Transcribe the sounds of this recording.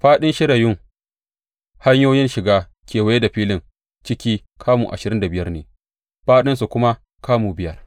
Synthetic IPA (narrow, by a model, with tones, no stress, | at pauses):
ɸaː˦ɗɪ˦nʃɪ˦ɽa˨jʊ˦ŋ | ha˦ɲjoː˦jɪ˦nʃɪ˨ɡaː˦ | kʲeː˨wa˨˦je˦da˨ɸiː˦lɪ˨ŋ | t͡ʃɪ˦kʲiː˦ | kʰaː˦muː˨ʔa̰˨ʃɪ˨ɾɪ˦nda˨bɪ˦jɐ˦rneː˨ | ɸaː˦ɗɪ˦ns̬u˨kʷʊ˦ma˦ | kaː˦muː˨bɪ˦jɐ˦r